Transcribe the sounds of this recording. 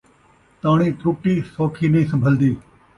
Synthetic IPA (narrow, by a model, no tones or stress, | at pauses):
t̪aːɳ̃ĩːt̪ɾuːʈiːsoːkʰiːnĩːsɐ̃mbʱəld̪iː